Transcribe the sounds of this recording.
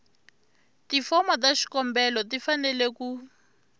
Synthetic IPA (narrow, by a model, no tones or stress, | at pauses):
tifɔmɔtaʃi̥kɔmbɛlɔtifanɛleku